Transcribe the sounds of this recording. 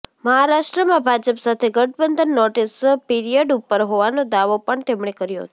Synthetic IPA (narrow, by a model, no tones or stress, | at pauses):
məɦaɾaʃʈɾəmãbʱad͡ʒəpsat̪ʰeɡəʈ̚bənd̪ʱənːɔʈespiɾijəɖupːəɾɦoʋanod̪aʋopəɳt̪emɳekəɾjo̰ɦt̪o